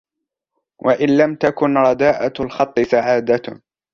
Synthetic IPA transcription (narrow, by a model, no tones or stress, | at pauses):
wʔaʔɪnlamt̪akʊnɾˤɑd̪aːʔalxɑt̪ˤːɨsaʕaːd̪a